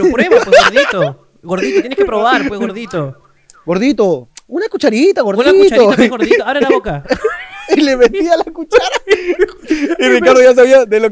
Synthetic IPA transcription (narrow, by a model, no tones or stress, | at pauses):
lpweeβaweɣoðit̪o | ɣoɾðit̪ot̪jeneskepɾoβaɾweɣoɾðit̪o | ɣo̞ɾðit̪o̞unakut͡ʃaɾit̪aɣo̞ɾðnaiutaoaɣoɾðit̪oaβɾelaβoka | ileβet̪ialakut͡ʃaɾa | irikaɾðoʝas̬aβiaðelo